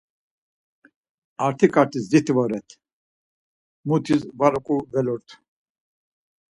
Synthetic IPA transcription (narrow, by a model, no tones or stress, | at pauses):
aɾt̪ʰikʼaɾt̪ʰisd̪it̪ʰvɔɾɛt̪ʰ | mut̪ʰisvaɾɔkʼuvɛlɔɾt̪ʰ